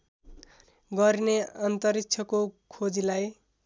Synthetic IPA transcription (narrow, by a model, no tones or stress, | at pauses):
ɡʌɾineʌnt̪ʌɾik̚t͡sʰʌkokʰod͡zilaj